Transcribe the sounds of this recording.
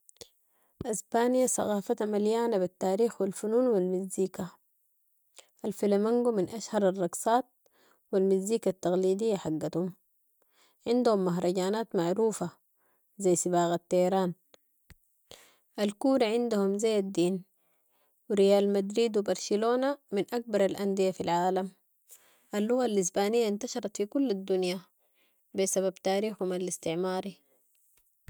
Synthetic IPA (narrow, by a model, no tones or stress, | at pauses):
ʔasbaːnijasˤɑ̰ɣɑːfat̪amaljaːnabit̪ːaːɾiːxwilfunuːnwilmizːiːka | ʔalfilamiŋɡuminʔaʃhɑɾˤɑrˤːɑɡsˤɑːt̪̚ | wilmizːiːkat̪ːɑɣliːd̪ijːaħaɡːat̪hum | ʕɪnd̪humːaɦɾˤɑɟaːnaːt̪maʕɾuːfa | zajsibaːɣat̪ːahɾaːn | ʔalkuːɾaʕɪnd̪uhumzajːad̪ːiːn | wiɾijaːlmad̪ɾiːd̪wibɑɾˤsiloːnaminʔak̚bɑɾˤalʔand̪ijafilʕaːlam | ʔalːuɣalːis̬baːnijːaint̪aʃɑɾˤɑt̪fikulːad̪ːunja | bisaβabt̪aːɾiːxhumalist̪ɪʕmaːɾi